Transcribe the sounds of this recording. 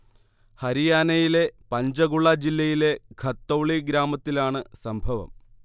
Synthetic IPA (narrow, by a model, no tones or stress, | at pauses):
hɐɾijaːnɐjile̞pɐɲd͡ʑɐɣuɭːad͡ʑilːɐjile̞ɡʱɐt̪ːowɭiɡɾaːmɐt̪ːilaːɳɨsɐmbʱɐʋɐ̰m